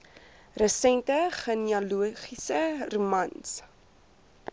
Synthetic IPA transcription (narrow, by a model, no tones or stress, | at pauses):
rəsɛntəχəniɐluəχisərumɐns